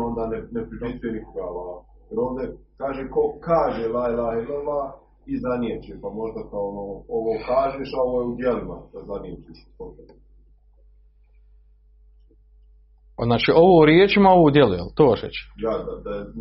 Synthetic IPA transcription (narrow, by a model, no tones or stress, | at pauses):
ond̪aːnenepɾipisenikoɡala | jeɾoːʋd̪ekaːʒeːko̞kaːʒelajlajelɛla | izaniet͡ʃepamo̞ʒd̪akaonoːoʋoːkaːʒeːʃaoʋoːjeud̪jelimad̪azanijet͡ʃeʃ | oke | aznaːt͡ʃiʔo̞ʋoːuɾjeːt͡ʃimaoʋoːd̪jelujelt̪oːʋaʃḛt͡ɕe̥jad̪ad̪aje